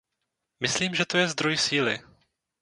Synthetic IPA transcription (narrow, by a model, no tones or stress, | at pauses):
mɪsliːmʒɛt̪o̞jɛzd̪ɾo̞jsiːlɪ